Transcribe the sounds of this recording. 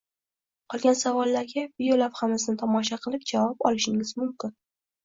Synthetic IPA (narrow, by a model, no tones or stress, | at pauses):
qʰɒlˠɡʲansavɒlˠːaɾɡʲavijolavhamasɪnɪt̪ʰɒmɒʃ̬aqʰɨlˠɪp̚d͡ʒavɑpɒ̰lɪʃɪŋɪz̥mʊmkʲɪn